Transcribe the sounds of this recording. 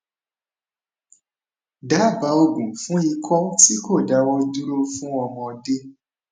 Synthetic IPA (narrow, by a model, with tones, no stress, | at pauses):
da˨˦˨ba˨˦o˧ɡũ˨fũ˦i˧kʰɔ˦ti˦ko˦˨da˨˦w̃ɔ̃˦d͡ʒu˦ɾo˦fũ˦ɔ˧mɔ̃˧de˦